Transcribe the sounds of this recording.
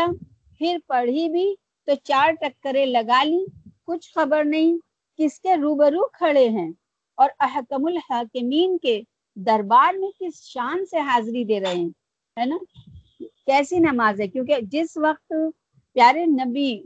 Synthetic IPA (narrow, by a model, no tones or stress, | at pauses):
a | pʰɪɾpɐɽ̤ibʱi | t̪ot͡ʃaːɾʈɐkːəɾẽlɐɡaːlikʊt͡ʃʰxɐbəɾnɐɦĩ | kɪskeɾuːbəɾuːkʰɐɭeɦɛ̃ː | ɔːɾɐɦkəmʊlhaːkɪmiːnke | d̪ɐɾbaːɾmẽkɪsʃaːnseɦaːzɾid̪eːɾɐɦẽ | ɦɛːnaː | kɛːsinɐmaːzɦɛ̃kjõːked͡ʒɪsʋɐq̚t̪ | pjaːɾenɐbi